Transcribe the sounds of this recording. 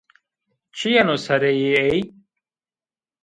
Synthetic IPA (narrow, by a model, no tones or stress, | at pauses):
t͡ɕʰijɐnosɐɾejeej